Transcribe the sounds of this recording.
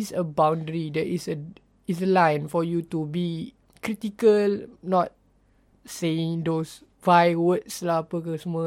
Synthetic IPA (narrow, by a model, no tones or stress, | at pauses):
isəbãwndɹidɛʔisə | is̬əlãjnfɔjutubi | kɾitikəlnɔt̚ | seĩŋdos | vajwətslapəkəsəmə